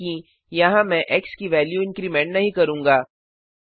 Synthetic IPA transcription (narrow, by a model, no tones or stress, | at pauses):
ĩ | jɐɦãmɛ̃ʔekskiʋɛːljuɪ̃ŋkɾimẽɳʈnɐɦĩkɐɾũːŋɡaː